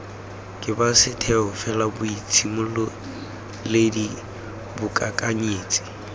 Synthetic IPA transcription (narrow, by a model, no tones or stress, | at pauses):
kʼɪbasɪtʰɛɦʊfɛlabʊit͡sʰimʊlʊ | ledi | bʊkʼakʼaɲeːt͡sʼi̥